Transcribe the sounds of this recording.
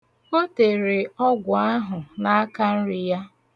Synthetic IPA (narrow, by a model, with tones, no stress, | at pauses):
o˦te˨ɾe˨ɔ˦ɡʷʊ˨a˦ɦʊ˨na˦a˦ka˦n̩˦ɾɪ˨ja˦